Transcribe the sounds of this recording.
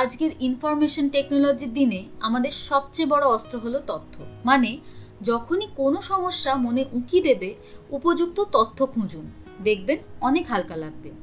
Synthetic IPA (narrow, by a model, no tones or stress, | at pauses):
ad͡ʑkeɾinfɔɾmeʃonʈeknolod͡ʑiɾd̪ineamad̪eɾʃɔb̚t͡ɕebɔɽoɔst̪ɾoɦolot̪ot̪ʰːomane | d͡ʑɔkʰonikonoʃɔmoʃːamoneʔukid̪ebe | upod͡ʑuk̚t̪ot̪ot̪ʰːokʰũd͡ʑund̪ek̚ʰbenɔnekɦalkalaɡ̚be